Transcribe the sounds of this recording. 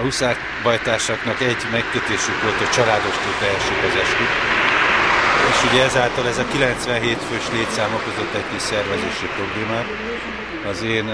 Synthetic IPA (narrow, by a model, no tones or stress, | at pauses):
ɒusaː | ʋɒjt̪aːʃɒkn̪ɒkɛɟmɛkːøt̪eːʃykʋo̞lt̪ɒt͡ʃɒlaːd̪o̞ʃt̪oːlt̪ɛɦɛʃikɒzɛʃkyk | eːʃuɟɛɛzaːlt̪ɒlɛzɒkilɛnt̪sʋɛnɦeːt̪føːʃleːt̪saːmokozo̞t̪ːɛɟkiʃsɛrvɛzeːʃipro̞bleːmaːt̪ | ɒzeːn